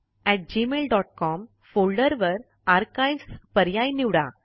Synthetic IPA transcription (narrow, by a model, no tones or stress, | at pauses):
ɛʈ̚d͡ʑimelɖɔʈ̚kɔm | foɭɖəɾʋəɾ | aɾkajspəɾjajniʋɽa̰